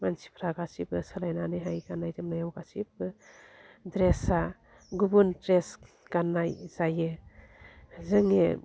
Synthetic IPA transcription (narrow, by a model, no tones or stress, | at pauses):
mansi̥pʰɾaɡasibɯsalajnaneɦajɡanajdɯmnajawɡasib̚ɯ | dɾesa | ɡubuntɾes | ɡ̥anajzajɯ | zɯŋḛ